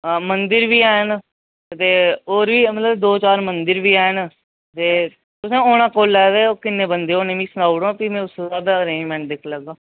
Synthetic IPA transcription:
mənd̪ɪɾʋiːɛːn | t̪eːoːɾʋiːmət̪ləbd̪oːt͡ʃaːɾmənd̪ɪɾbiːɛːn | t̪eː | t̪ʊsẽːoːñãːkoːlɛːʋeːoːkɪnːẽːbənd̪eːoːnẽːmĩːsənaːuɽõːpiːmɛ̃ːʊssaːbəɾẽːd͡ʒmɛ̃ːɳʈ̚d̪ekʰləɡãː

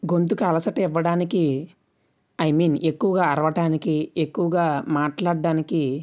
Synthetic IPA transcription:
ɡo̞nt̪̬ukɐlɐsɐʈɐiʋːɐɽaːniki | ɐjmiːnekːuʋɐɡaːɾɐʋɐʈaːnikiekːuʋɐɡaːmaːʈlaːɖːaːniki

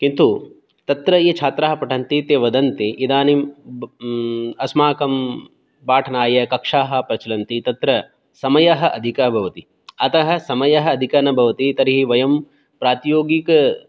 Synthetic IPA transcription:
kint̪u | t̪ɐt̪ɾɐet͡ʃʰaːt̪ɾɐɦɐ̆pɐʈʰɐnt̪it̪eːʋɐd̪ɐnt̪iʔid̪aːnim | ɐsmaːkɐm | baːʈʰɐnaːjɐkɐkʂaːɦɐ̆pɾɐt͡ʃɐlɐnt̪it̪ɐt̪ɾɐ | sɐmɐjɐɦɐ̆ʔɐd̪ʱikɐɦɐbʱɐʋɐt̪i | ɐt̪ɐɦɐ̆sɐmɐjɐɦɐ̆ːd̪ʱikɐnɐbʱɐʋɐt̪it̪ɐɾiɦiʋɐjɐm | pɾaːt̪joːɡik

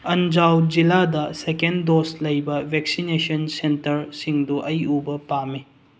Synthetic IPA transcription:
ɐnd͡ʒawd͡ʒiladɐsekendoslɐjbɐbʱek̚sinesɐnsentɐɾsiŋduʔɐjubɐpamːi

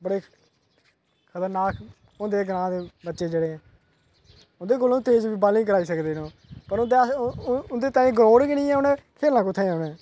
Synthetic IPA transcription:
bəɽeː | kʰət̪əɾnaːk | ʊ̃ːnd̪eːɡəɾãːd̪eːbətːʃeːd͡ʒeːɽeːɛ̃ː | ʊ̃nd̪eːk̬oːlõːt̪eːd͡ʒbiːbaːlĩːkəɾaːiːsəkd̪eːnõː | pəɾʊnd̪eʊnd̪eːt̪ãːĩːɡɾoːɽkɪnĩːɛ̃ːʊnɛ̃ːkʰeːlãːkʊt̪ʰːẽːʊnɛ̃ː

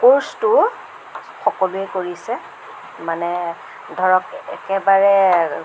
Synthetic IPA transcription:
koɹstʊ | xɔkɔlʊɛkoɹisɛ | manɛ | dʱɔɹɔkɛ̰kɛbaɹɛ

